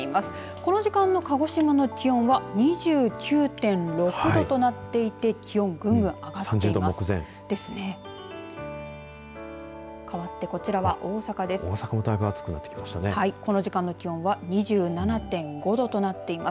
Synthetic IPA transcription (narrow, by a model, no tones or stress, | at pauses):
imasɨ̥ | ko̞no̞ʑikãnːo̞kaɡo̞ɕimano̞kʲiõ̞ɰ̃βaɲ̟iʑɨːkʲɨːt̪ẽ̞nɾo̞kɯ̟d̪o̞t̪o̞nat̪ːe̞it̪e̞kʲiõ̞ŋɡɯ̟̃ŋɡɯ̟̃ŋ̃aɡatsãɲd͡ʑeɨːid̪omokɯ̟zḛ̃ŋ | d̪̥e̞sɨne̞ | kʰaβat̪ːe̞ko̞t͡ɕiɾaβaʔo̞ːsakad̪e̞so̰ːsakamo̞d̪aibɯ̟at͡sɨ̥kɯ̟nat̪ːekʲimaɕi̥t̪anehaiko̞no̞ʑikãnːo̞kʲiõ̞ɰ̃βaɲ̟iʑɨːnanat̪ẽ̞ŋɡo̞d̪o̞t̪o̞nat̪ːe̞imas